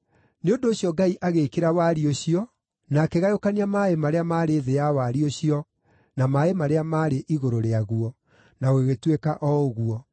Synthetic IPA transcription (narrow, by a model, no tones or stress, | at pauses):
neondoːɕjɔɡaiʔaɣekeɾawaɾioɕiɔ | nakɛɣajokaniamaemaɾeamaːɾeːðeawaɾioɕiɔ | namaemaɾeamaɾeʔiɣoɾoɾeaɣuɔ | naoweɣetwekaʔɔoɣuɔ